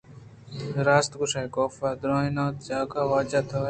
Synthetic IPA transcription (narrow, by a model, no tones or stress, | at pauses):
ɾaːst̪ɡʊʃaːkoːfaːd̪ɾoːinaːt̪d͡ʒaːkaːʋaːd͡ʒaːt̪ʰoː